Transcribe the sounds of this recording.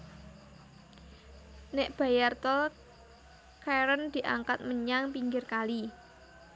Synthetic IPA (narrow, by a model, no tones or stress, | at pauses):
neʔb̥a̤jart̪ɔl | kʰaɾənd̪̥i̤ʔaŋkat̪̚məɲaŋpiŋɡɪrkali